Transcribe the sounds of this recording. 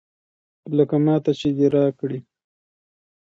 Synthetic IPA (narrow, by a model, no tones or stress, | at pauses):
ləkamɑːt̪at͡ʃed̪eɾɑkɽi